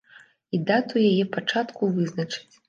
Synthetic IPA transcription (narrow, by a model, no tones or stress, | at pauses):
id̪at̪ujajɛpat͡ʂat̪kuvɨznɐt͡ʂɨ̥t͡sʲ